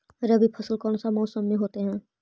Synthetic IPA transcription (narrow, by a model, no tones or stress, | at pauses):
ɾəbipʰəsəlkɔːnsamɔːʊsəmːeɦoːt̪eɦɛ̃ː